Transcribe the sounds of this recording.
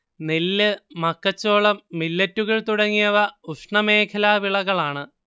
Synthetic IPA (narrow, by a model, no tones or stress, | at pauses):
nilːɨmɐkːɐt͡ɕːo̞ːɭɐmːilːɐtːuɣɐɭt̪uɽɐŋːijɐʋɐuʂɳɐme̞ːkʰɐlaːʋiɭɐɣɐɭaːɳɨ